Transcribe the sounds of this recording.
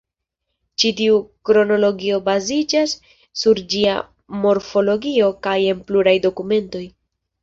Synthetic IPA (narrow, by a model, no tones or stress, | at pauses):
t͡ʃitiukɾo̞no̞lo̞ɡio̞bazid͡ʒasː | uɾd͡ʒia̰ | mo̞ɾfo̞lo̞ɡio̞kaje̞npluɾajdo̞kume̞nto̞j